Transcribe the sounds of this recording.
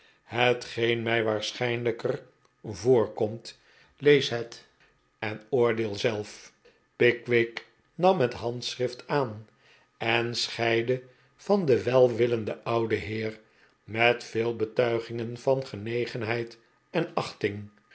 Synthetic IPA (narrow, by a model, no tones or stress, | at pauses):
hətχejnmɛjʋaːɹsχɛjnləkər | vʊːɹkɔmt | lejsɦɛt | ɛnʊːɹdɪːlˠzɛlˠf | pɪkʋɪk | nɑmɦətɦɑntsrɪftaːn | ɛnsχɛjdə | v̥ɑndəʋɛlˠʋɪləndəʔɑwdəɦɪːr | mɛtfɪːlˠbətœɥχɪŋənv̥ɑnχənejχənɦɛjt | ɛnɑχtɪŋ